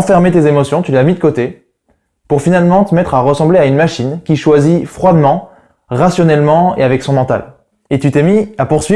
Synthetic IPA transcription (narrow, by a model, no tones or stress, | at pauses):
ɑ̃fɛʁmet̪ezemɔsjɔ̃t̪yleamid̪əkot̪e | puʁfinalmɑ̃t̪əmɛt̪χaʁəsɑ̃bleaynmaʃinkʲiʃwazifχwad̪mɑ̃ | ʁasjɔnɛlmɑ̃ḛavɛksɔ̃mɑ̃t̪a̰l | et̪yt̪emiapuʁsɥi